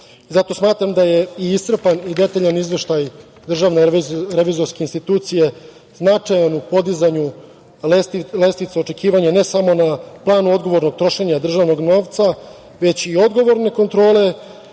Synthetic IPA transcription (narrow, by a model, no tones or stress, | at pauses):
zat̪o̞smaːt̪ɾamd̪ajeiisr̩panid̪e̞t̪aʎanizʋe̞ʃt̪aj | d̪r̩ʒaʋneɾeʋizo̞ɾskeinst̪it̪uːt̪sije̞ | znat͡ʂajanupo̞d̪izaɲu | lest̪ilest̪it̪seo̞t͡ʃe̞kiːʋaɲane̞samo̞naplˠaːnuo̞d̪ɡo̞ʋo̞ɾno̞ɡt̪ɾo̞ʃe̞ɲad̪r̩ʒaʋno̞ɡno̞ːʋt̪sa | ʋe̞t͡ɕio̞d̪ɡo̞ʋo̞ɾne̞ko̞nt̪ɾo̞ːle̞